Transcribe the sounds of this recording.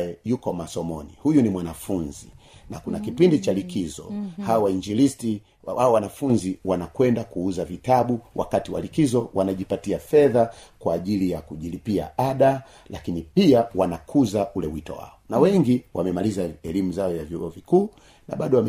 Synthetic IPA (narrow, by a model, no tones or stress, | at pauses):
jɛjukɔmasɔmɔnihujunimwanafunzi | na̰kunakipindit͡ʃalikizɔ̰hawawaiɲd͡ʒilisti | waɔwanafunziwanakwɛndakuuzavitaɓuwʔa̰katiwa̰likizɔwanaʄipatiafɛðakwaːʄilijakuʄilipia̰aɗa | lakinipiawanakʰuzaʔulɛwitɔ̰wa̰ɔnawɛŋɡiwamɛmalizaɛlimuzaɔjavjuɔvikuː | na̰ɓaɗɔwam